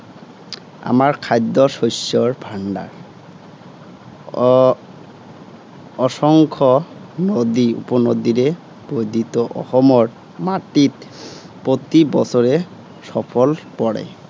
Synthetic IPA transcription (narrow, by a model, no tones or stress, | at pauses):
a̰maɹkʰajd̪ːɔʃosɔɹbʱaɳɖa̰ɹ | ɔʃɔŋkʰɔnod̪iṵpɔnod̪iɾe | b̥ojd̪ʱit̪ɔʔɔ̰xɔmɔɹ | maʈit | pot̪ibɔsʰɔɾe | sɔpʰɔlpɔɽḛ